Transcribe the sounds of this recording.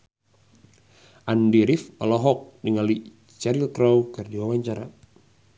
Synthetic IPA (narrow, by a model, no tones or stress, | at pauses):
ʔandiɾifɔlɔɦɔk̚niŋali | t͡ʃaɾilkɾawkɨrdiwawaɲt͡ʃaɾa